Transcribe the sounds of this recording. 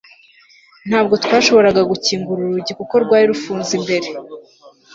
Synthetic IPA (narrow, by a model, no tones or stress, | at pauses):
n̥haːb̚ɡo̞tkwaːʃo̞βo̞ɾaɡaɡuciːŋɡuɾuɾuɟikuko̞ɾɡwaːɾiɾufuːnzimbe̞ɾe̞